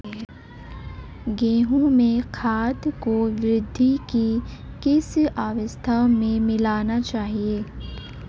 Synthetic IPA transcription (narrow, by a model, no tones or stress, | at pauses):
ɡeːɦũmẽkʰaːt̪koʋɾɪd̪ʱːikikɪsaːʋəst̪ʰamẽmɪlaːnat͡ʃaːɦieː